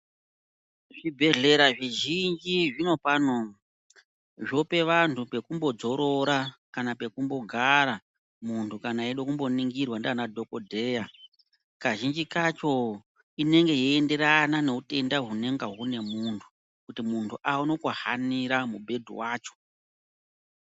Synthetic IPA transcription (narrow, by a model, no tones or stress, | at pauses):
ʐibʱe̞ɮe̞ɾaʐiʒind͡ʒiʐino̞pano | ʐo̞pe̞ʋantʰupe̞kumbo̞d͡zo̞ɾo̞ɾakanape̞kumbo̞ɡʱaɾa | muntʰukanaːiɗokumbo̞niŋɡirwandanadʱo̞ko̞dʱeja | kaʒind͡ʒikat͡ʃo̞ | ine̞ŋɡe̞jiende̞ɾanane̞ute̞ndaɦune̞ŋɡaɦune̞muntʰu̥ | kutimuntʰuʔauno̞kahaniɾamubʱe̞dʱṵwaːt͡ʃo̞̥